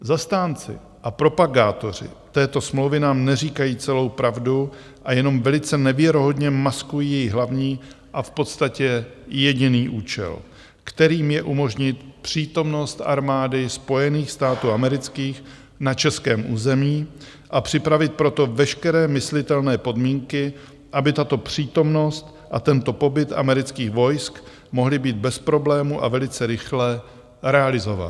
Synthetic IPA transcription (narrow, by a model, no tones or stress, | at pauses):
zast̪aːnt͡sɪ̰ | ʔapɾo̞paɡaːt̪o̞r̝ɪ̰t̪ɛːt̪o̞smlowvɪnaːmnɛriːkajiːt͡sɛlo̞wpɾavdu | ʔajɛno̞mvɛlɪt͡sɛnɛvjɛɾoɦo̞dɲɛmaskujiːjɛjiɦlavɲiː | ʔafpo̞t̪st̪acɛjɛɟɪniːʔuːt͡ʃɛ̰l | kt̪ɛɾiːmjɛʔumo̞ʒɲɪt̪pr̝̥iːt̪o̞mno̞st̪ʔa̰ɾmaːdɪspo̞jɛniːxst̪aːt̪uːamɛɾɪt͡skiːx | nat͡ʃɛskɛːmʔuːzɛmiː | ʔapr̝̥ɪpɾavɪt̪̚pɾo̞t̪o̞vɛʃkɛɾɛːmɪslɪt̪ɛlnɛːpo̞dmiːŋkɪ | ʔabɪt̪at̪o̞pr̝̥iːt̪o̞mno̞st̪ | ʔat̪ɛnt̪o̞po̞bɪt̪ʔa̰mɛɾɪt͡skiːxvo̞jsk | mo̞ɦlɪbiːd̪̚bɛspɾo̞blɛːmuʔa̰vɛlɪt͡sɛɾɪxlɛ | ɾɛalɪzo̞va̰t̪